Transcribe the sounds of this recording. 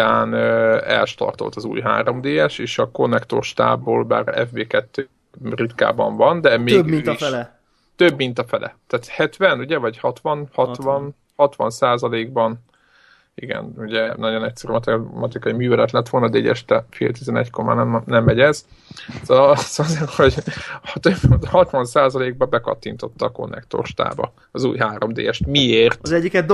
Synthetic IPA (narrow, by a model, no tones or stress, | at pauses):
aːnøɛ̰lʃt̪ɒ̰rt̪o̞̰lt̪ɒzṵːjɦa̰ːɾo̞md̪eːɛʃeːʃɒko̞nːɛkt̪o̞̰rʃt̪a̰ːbːoːlba̰ːɾɛ̰vbeːkɛt̪ːøː | rit̪ka̰ːbɒ̰ɱvɒnd̪ɛmeːɡiiʃ | t̪øbːint̪ɒfɛlʔɛ̰t̪aːt̪hɛt̪ʋɛnuɟɛvɒchɒt̪ʋɒnhɒt̪ʋɒn | hɒt̪ʋɒ̰nsaːzɒleːɡ̚bɒn | iɡɛ̰nuɟɛnɒɟo̞nɛcsɛɾymɒt̪ɛmɒt̪ikɒimyːvɛlɛt̪lɛt̪ʋo̞lnɒd̪ɛːɟɛ̰ʃt̪ɛfḛːlt̪izɛnɛ̰ckorma̰ːnɛmnɛmːɛɟɛz | sozɒzeːrho̞ɟht̪øbhɒt̪ʋɒnsaːzɒleːɡ̚bɒbɛkɒ̰t̪ːint̪o̞t̪ːɒko̞̰nːɛ̰kt̪o̰rʃt̪a̰ːbɒ̰ | ɒzuːjɦaːɾo̞md̪ḛːɛʃt̪mieːrt̪zɛɟːikɛ